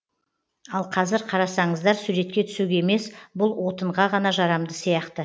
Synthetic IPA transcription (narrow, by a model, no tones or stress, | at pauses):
ɑlˠqʰɑzɪɾqʰɑɾɑsɑɴəzd̪ɑɾsuɾe̞t̪̚kʲe̞t̪ʰʏ̥suɡʲeeme̞sbʊlˠwʔo̞t̪əɴʁɑʁɑnɑʒɑɾɑmd̪əsijɑqt̪ə